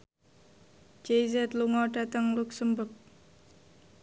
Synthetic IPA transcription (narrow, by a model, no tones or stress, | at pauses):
d͡ʒejzɛt̪luŋɔɖ̥a̤t̪əŋluk̚səmbək̚